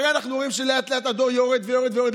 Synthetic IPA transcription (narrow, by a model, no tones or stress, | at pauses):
ʁeanaχnuoʁimʃeleat̪leat̪ad̪o̞ʁjoʁed̪vejoʁed̪vejoed̪